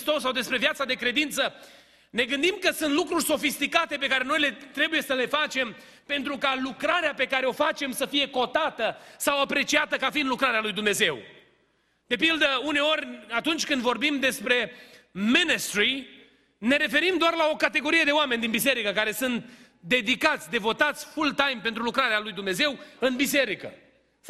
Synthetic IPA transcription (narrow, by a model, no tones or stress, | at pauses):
st̪o̞sːawd̪e̞spɾe̞vijat̪sad̪e̞kɾe̞d̪int̪sə | ne̞ɡɨnd̪imkəsunt̪lukɾurʲso̞fist̪ikat̪e̞pe̞kaɾe̞no̞jle̞t̪ɾe̞buje̞səle̞fat͡ʃe̞m | pe̞nt̪ɾukalukɾaɾeape̞kaɾe̞o̞fat͡ʃe̞msəfije̞ko̞t̪at̪əsawapɾe̞t͡ʃiat̪əkafiːnd̪lukɾaɾealujd̪umne̞ze̞w | d̪̥e̞pild̪əune̞o̞rʲat̪unt͡ʃʲkɨnd̪vo̞rbimd̪e̞spɾe̞minist̪ɾi | ne̞ɾe̞fe̞ɾimd̪oarlao̞kat̪e̞ɡo̞ɾije̞d̪e̞oamend̪inbise̞ɾikəkaɾe̞sɨnt̪ | d̪e̞d̪ikat̪sʲd̪e̞vo̞t̪at̪sʲfult̪ajmpe̞nt̪ɾulukɾaɾealujd̪umne̞ze̞wɨnbise̞ɾikə̰